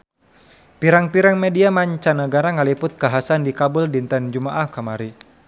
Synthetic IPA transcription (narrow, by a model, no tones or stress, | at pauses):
piɾaŋpiɾaŋmediamaɲt͡ʃanəɡaɾaŋalipʊt̪̚kaɦasandikabʊldint̪and͡ʒumaʔahkamaɾi